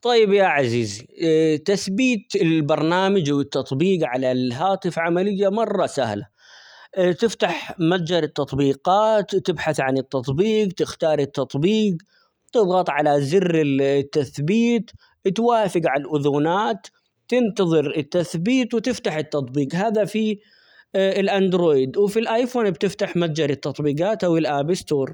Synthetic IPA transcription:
t̪ˤɑjːɪbjaʕaziːzt̪aθbiːt̪ɪlbɑɾˤnaːmad͡ʒwɪt̪ːɑt̪ˤbiːqʕalalɦaːt̪ɪfʕamalɪjːamɑrˤːɑsa̰hla | t̪ɪft̪aħmad͡ʒɑɾˤɪt̪ːɑt̪ˤbiːɡɑːt̪ːɪbħaθʕanɪt̪ːɑt̪ˤbiːqt̪ɪxt̪ɑːɾˤɪt̪ːɑt̪ˤbiːq | t̪ɨðˤɣɑt̪ˤʕalazɪrːɪt̪ːaθbiːt̪ | t̪waːfɪɡʕalʔʊðuːnaːt̪ː | ɪnt̪ɑðˤɨɾɪt̪ːaθbiːt̪wt̪ɪft̪aħɪt̪ːɑt̪ˤbiːqɦaːðafi | ɪlʔand̪ɾoːjɪd̪wfilʔaːjfoːnbt̪ɪft̪aħmad͡ʒɑɾɪt̪ːɑt̪ˤbiːqɑːt̪ʔawɪlʔaːbɪst̪oːɾ

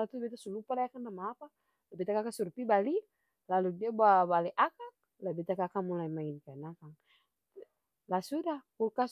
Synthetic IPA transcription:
lat̪ubɛt̪asulupalajakaŋnamaːpa | labɛt̪akakasuɾpibali | laludiababalɛʔakaŋ | labɛt̪akakamulaimainkanakaŋ | lasudakukas

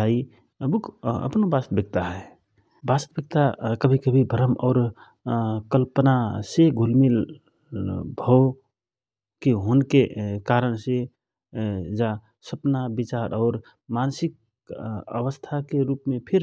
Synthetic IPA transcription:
ai | bukʰə̰pnobast̪bjək̚t̪aɦɛ | bast̪bək̚t̪akəbʱikəbʱibʱəɾəmɔːɾ | kəlpənaseɡʱulmil | bʱɔ | kiɦonkekaɾənse | d͡ʒa | səpnabit͡ʃaɾʔɔːɾ | mansik̚ | ə̰ʋəst̪ʰakeɾupmẽpʰiɾ

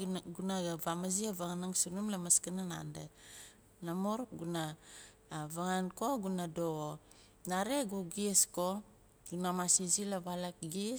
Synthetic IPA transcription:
ɡunaɡavamaziaβaŋanaŋsunumlamaskanana̰nde | namoɾɡuna | βaŋanko̞ɡunadoo | naɾeɡuɡisko | ɡunamasizilaβalakɡi

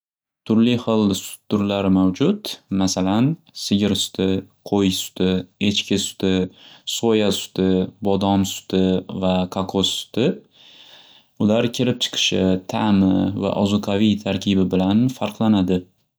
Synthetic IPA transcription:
t̪ʰʊɾlɪχɨlˠsʊ̥t̪̚d̪ʊɾlaɾmawd͡ʒʊt̪masalan | sɪɡʲɪɾsʊ̥t̪ʰɪqʰojsʊ̥t̪ʰɪe̞t͡ʃkʲɪsʊ̥t̪ɪsojasʊ̥t̪ɪbɒd̪ɒmsʊ̥t̪ɪvakʰakʰossʊ̥t̪ɪ | ʊlaɾkʲʰɪɾɪp̚t͡ʃʰɨ̥qʰɨ̥ʃɪt̪ʰamɪva̰ʔɒzʊqʰɑvijt̪ʰaɾkʲʰɪbɪbɪlanfaɾqʰlˠanad̪ɪ

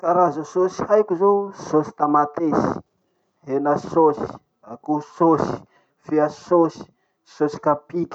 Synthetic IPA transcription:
kaɾazusosi̥hajkuzososi̥t̪amat̪esi̥ | enasosi̥ | akusosi̥ | fiasosi̥ | sosi̥kapikʲi̥

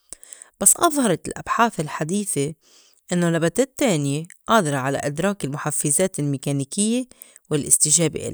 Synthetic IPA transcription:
b̥asːʔɑðˤhɑɾˤɑlʔa̰b̥ħaːθɪlħad̪iːθe | ʔɪnːolabat̪aːt̪ːeːnjeʔɑːd̪ɑɾˤɑʕala̰ʔɪd̪ɾˤɑːkɪlmʊħafːɪzaːt̪ɪlmɪkaniːkɪjːe | wɪlʔɪst̪ɪʒaːbḛʔɪ̰l

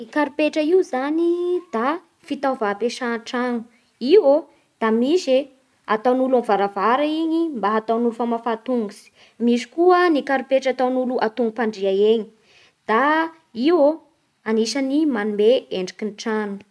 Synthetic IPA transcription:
ikaɾupeʈ͡ʂəiwzanid̪̥a | fit̪avapeʃanʈ͡ʂanu̥ | iwo | d̪̥amiʃe | at̪awnulamvaɾavaɾaiɲimbaɦat̪awnufamafat̪uŋɡusi̥ | miʃi̥kuənikaɾupeʈ͡ʂat̪awnuluʔat̪uŋɡupaɳɖ͡ʐiaeɲi̥ | d̪̥a | iwo | aniʃanimanumeeɳɖ͡ʐakinʈ͡ʂanu̥

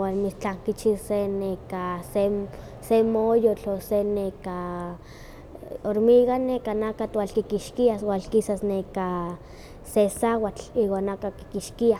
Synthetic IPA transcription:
wanmit͡ɬaŋkit͡ʃisenekase | semojot͡ɬoseneka | oɾmiɣanekanakat̪walkikiʃkiaswalkisasneka | sesawat͡ɬiwanakaki̥kiʃkia

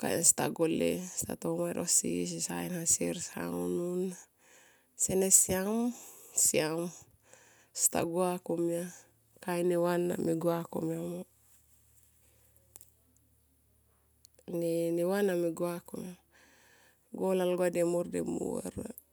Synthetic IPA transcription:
ka̰ḭnst̪aɡolḛst̪a̰t̪omaɾosḭs̬isainhaseɾsha̰ŋonun | senesiamsiam | st̪a̰ɡuakomia | kajnewanːa̰miɡuakomiamo | nenewanamiɡuakoma | ɡolalɡuademordemṵɾ

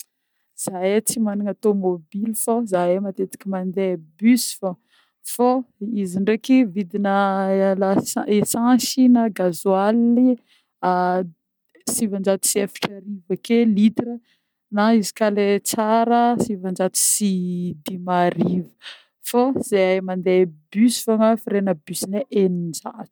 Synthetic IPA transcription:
z̥ajat͡simaniŋat̪omobilfozajemat̪et̪i̥kʲimand̪ebysfo | foiziɳɖ͡ʐekivid̪inəlaesãsinaɡazwali | a | sivand͡ʒat̪u̥siafi̥ʈ͡ʂaɾivakelit̪ɾə | naizi̥kalet͡saɾəsivand͡ʒat̪u̥sid̪imaɾivə | foz̥eajmand̪ebysifaŋafiɾenəbysineʔenind͡ʒat̪u̥

